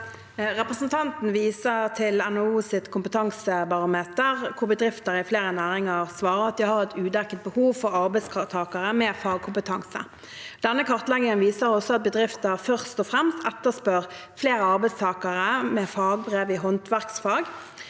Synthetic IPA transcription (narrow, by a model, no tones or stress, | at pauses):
ʁɛpʁəsn̩t̪ʰɑnt̪n̩ʋiːsəʁt̪ʰɪlɛnɔuːsɪt̪kʰʊmpət̪ʰɑŋsəbɑʁʊmeːt̪əʁkʰʊʁbəd̪ʁɪft̪əʁɪfleːʁənæːɾɪŋəʁsʋɑːʁəɾɑt̪̚d̪ɪhɑʁɛt̪ʰʉːd̪ækət̪̚bəhuːʋfɔʁɑɾbɛɪskʰɑt̪ʰɑːkəʁəmɛːfɑːɡ̚kʰʊmpət̪ʰɑŋsə̰ | d̪̥ɛnːəkʰɑʁt̪lɛɡɪŋənʋiːsəʁɔsɔɑt̪̚bəd̪ʁɪft̪əʁfœʁst̪ɔfʁɛmst̪ɛt̪ːəspøʁfleːʁəɑʁbɛɪst̪ʰɑːkəʁəmɛfɑːɡ̚bʁeːʋɪɦɔnt̪ʰʋæʁksfɑːɡ